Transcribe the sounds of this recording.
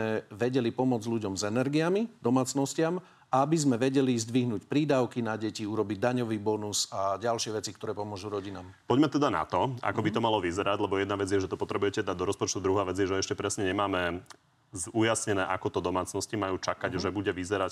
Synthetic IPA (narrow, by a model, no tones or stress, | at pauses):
ɛʋɛɟɛlipɔmʊɔd͡zʎuɟɔmzɛnɛɾɡiamid̪ɔmaːt͡snɔscɪam | aabizmɛʋɛɟɛlizd̪ʋiɦnuːcpɾiːd̪aʊkinaɟɛciuɾɔbiɟ̚d̪aɲɔʋiːbɔnuzaɟalʃɪɛʋɛt͡sikt̪ɔɾɛːpɔmʊɔʒuɾɔɟinaːmpɔɟmɛt̪ɛd̪ana̰t̪ɔa̰kɔbit̪ɔmalɔʋizɛɾaɟlɛbɔjɛd̪naʋɛd͡zɪjɛʒɛt̪ɔpɔt̪ɾɛbujɛcɛd̪ad̪ɔɾɔspɔt͡ʃt̪ud̪ɾuɦaːʋɛd͡zɪjɛʒɛɛʃcɛpɾɛsɲɛɲɛmaːmɛ | zujasɲɛnɛːʔakɔt̪ɔd̪ɔmaːt͡snɔscimajuːt͡ʃakaɟʒɛbuɟɛʋizɛɾac